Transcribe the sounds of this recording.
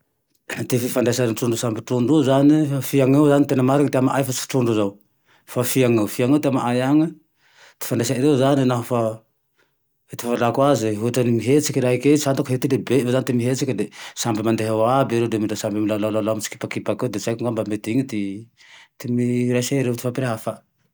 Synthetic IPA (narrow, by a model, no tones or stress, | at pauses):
t̪ififandajsaɾtundusampetunduzanefiaŋewzanit̪enamaɾiŋt̪iamaʔajfasi̥ktunduzaw | fafiaŋawfiaŋawt̪iamaʔajaŋa | t̪i̥fandajsaeɾewzanenaɦofa | et̪ifalakuazeɦutanimiɦet͡ʃikiɾajkesant̪okɦet̪idebeazantimiɦesikedesampemandeɦawabeɾudemitasampemlalalalamt͡ʃi̥ki̥pakipakewdet͡ʃajkuŋɡambambetiŋiti | t̪imiɾajseɾewt̪i̥fapeɾeɦafa